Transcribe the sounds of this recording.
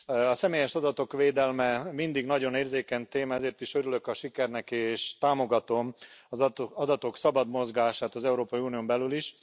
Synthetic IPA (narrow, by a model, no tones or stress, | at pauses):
ɒsɛmeːjɛʃɒd̪ɒt̪o̞kʋeːd̪ɛlmɛmind̪iɡnɒɟo̞neːrzeːkɛɲt̪eːmɛzeːrt̪iʃø̞ɾylø̞kɒʃikɛrnɛkeːʃt̪aːmo̞ɡɒt̪o̞mɒzɒd̪ɒt̪o̞ksɒbɒd̪mo̞zɡaːʃaːt̪ɒzɛuɾoːpɒiuːnijombɛlyliʃ